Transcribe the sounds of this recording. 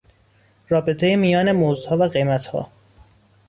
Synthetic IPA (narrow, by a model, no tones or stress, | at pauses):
ɾɒːbe̞t̪ʰe̞jemijɒːne̞mozd̪hɒːvæɣe̞jmæt̪hɒ̰ː